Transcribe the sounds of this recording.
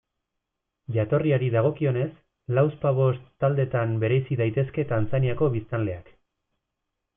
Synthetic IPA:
ʝat̪o̞riaɾiðaɣ̞o̞kio̞ne̞s | lawspaβ̞o̞st̪ːald̪e̞t̪ambe̞ɾe̞siðajt̪e̞ske̞t̪ant͡saniako̞βist̪anle̞ak

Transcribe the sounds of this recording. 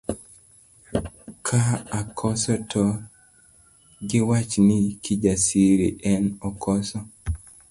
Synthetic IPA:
kʰaːkʰɔsɔtʰɔ | ɡɪwat͡ʃnɪkʰid͡ʒasiɾḛʔɛnɔkʰɔsɔ

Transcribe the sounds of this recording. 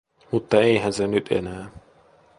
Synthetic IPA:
mut̪ːɑeiɦænsenyt̪ḛnæː

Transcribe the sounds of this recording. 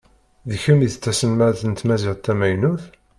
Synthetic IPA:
ðəçəmiθət͡sːæsənmæθənət̪ːmæziʁt̪ːæmæjnuθ

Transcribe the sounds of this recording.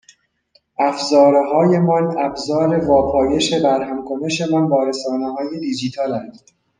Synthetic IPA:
ʔæfzɒːɾɦɒːje̞mɒnæbzɒːɾe̞vɒːpʰɒːje̞ʃe̞bæɾɦæmkʰo̞ne̞ʃe̞mɒnbɒːɾesɒːnehɒːjed̪id͡ʒiːt̪ʰɒːlænd̪̥

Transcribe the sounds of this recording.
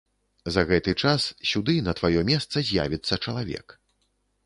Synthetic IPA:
zɐɣɛt̪ɨt͡ʂassʲud̪ɨnɐt̪vajɔmʲɛst̪sɐzʲja̰vʲit̪sːɐt͡ʂɐlˠavʲɛ̰k

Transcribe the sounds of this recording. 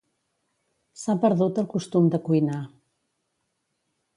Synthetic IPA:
sapəɾðut̪əlˠkust̪umd̪əkujna

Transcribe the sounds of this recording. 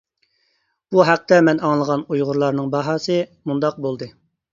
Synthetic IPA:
b̥uɦæq̚t̪ʰɛmɛnɑŋlˠəʁɑnujʁʊɾlˠɑɾnɨŋbɑɦɑsɨmund̪ɑq̚bolˠd̪ɨ

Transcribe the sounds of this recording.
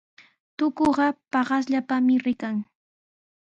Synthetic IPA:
t̪ʊkoɢɑpɑɢɑs̬ʎapamɪɾɪkaŋ

